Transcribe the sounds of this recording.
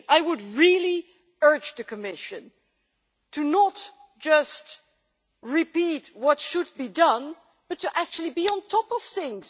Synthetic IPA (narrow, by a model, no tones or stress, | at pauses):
aɪwʊd̚ɹilˠi | ɜ˞d͡ʒðɨkʰɨmɪʃɨ̃n | tʰɨnət | d̥ʒ̥ʌst | ɹɪpit̚wʌtʃɨd̚bidʌ̃n | b̥ʌtʰːɨʔæk̚t͡ʃʉl̩ˠibiə̃ntʰɔpʌv̥θɪ̃ŋz̥